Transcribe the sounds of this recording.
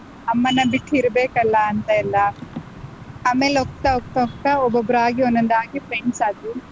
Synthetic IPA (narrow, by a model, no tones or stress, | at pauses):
ɐmːɐnːɐbiʈːiɾɐbeːkɐlːɐːnt̪ɐɛlːɐ | aːmeːleɔk̚t̪ɐok̚t̪ɐɦɔk̚ʈ̪ɐɔbːobɾaːɡionːɐnd̪aːɡipɾeɳɖsaːd̪i